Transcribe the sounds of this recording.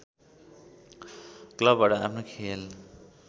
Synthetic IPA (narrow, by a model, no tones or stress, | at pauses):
klʌbːaʈʌapʰnokʰel